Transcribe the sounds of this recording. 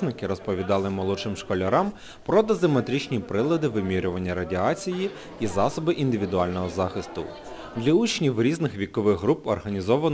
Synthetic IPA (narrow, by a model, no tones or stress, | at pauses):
nɪkɪɾɔspɔʋʲid̪ɑlˠɪmɔlˠɔt͡ʃɪmʃkɔlʲɐɾɑm | pɾɔd̪ɐzɪmet̪ɾʲit͡ʃnʲipɾɪlˠɐd̪ɪʋɪmʲiɾʲʊʋɐnʲːɐɾɐdʲiɑt͡sʲiji | izɑsɔbɪʔind̪ɪʋʲid̪ʊɑlʲnɔɦɔzɑxɪst̪ʊ̰ | d̪lʲɐut͡ʃnʲiwɾʲiznɪxʋʲikɔʋɪɣɦɾupɔrɦɐnʲizɔʋɐn